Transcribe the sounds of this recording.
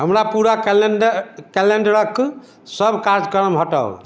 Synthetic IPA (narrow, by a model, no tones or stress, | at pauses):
ɦəmɾapuɾaklɖkɛleɳɖəɾəkː | səbʱkaɾd͡ʒkəɾəmɦoʈə̰l